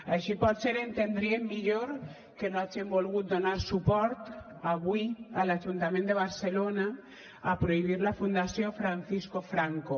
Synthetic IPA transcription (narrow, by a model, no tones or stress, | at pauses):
aʃipɔt̪seɾent̪end̪ɾiemːiʎoɾ | kenoad͡ʒembolɣut̪̚d̪onaɾsupɔɾt̪ | aβwialaʒunt̪amẽnd̪eβaɾselona | apɾoiβ̞iɾlafund̪asjofɾanθiskofɾaŋko